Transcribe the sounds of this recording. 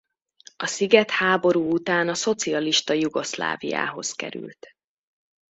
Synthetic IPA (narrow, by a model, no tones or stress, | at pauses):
ɒsiɡɛt̪haːbo̞ɾuːut̪aːnɒso̞t̪siɒliʃt̪ɒjuɡo̞sla̰ːvija̰ːɦo̞skɛ̰ɾy̰lt̪